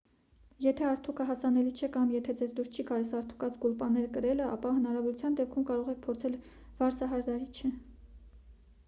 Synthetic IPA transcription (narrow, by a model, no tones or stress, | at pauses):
jɛt̪ʰɛɑɾt̪ʰukʰəɦɑsɑnɛlit͡ʃʰɛkɑmjɛt̪ʰɛd͡zɛzd̪uɾst͡ʃʰikɑlɛsɑɾt̪ʰu̥kɑt͡sɡulpɑnɛɾkəɾɛləʔɑ̰pɑɦənɑɾɑvɔɾut͡sʰjɑnd̪ɛp̚kʰumkɑɾɔʁɛk̚ʰpʰɔɾt͡sʰɛl | vɑɾt͡sʰɑɦɑɾd̪ɑɾit͡ʃʰɛ